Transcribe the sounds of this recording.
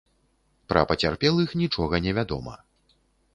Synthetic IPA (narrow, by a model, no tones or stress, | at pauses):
pɾɐ̰pɐt͡sʲarpʲɛlˠixnʲit͡ʂɔɣɐnʲɛvʲad̪ɔ̰mɐ̰